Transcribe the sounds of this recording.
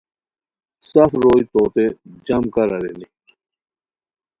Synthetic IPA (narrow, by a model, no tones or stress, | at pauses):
sɐfɾoːit̪oːt̪ed͡ʑɐmkɐɾɐɾḛni